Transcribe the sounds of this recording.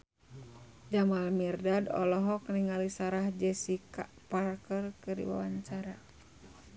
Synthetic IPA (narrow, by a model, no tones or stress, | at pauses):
d͡ʒamalmirdadɔ̰lɔɦɔk̚niŋalisaɾahd͡ʒɛsika | parkərkɨrḭwa̰waɲt͡ʃaɾa